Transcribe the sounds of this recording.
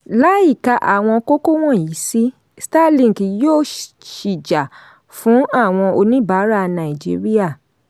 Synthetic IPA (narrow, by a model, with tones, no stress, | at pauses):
la˦i˦˨ka˨˧ʔa̰˨w̃ɔ̃˧ko˦ko˦w̃ɔ̃˦˨ji˨˦si˦ | sta˦lĩ˦˨ki˨jo˦˨ | ʃi˨d͡ʒa˨ | fũ˨˦a˦˨w̃ɔ̃˧o˧nĩ˦ba˨˦ɾa˦˨nã˨i˨d͡ʒḭ˦ɾi˦a˦˨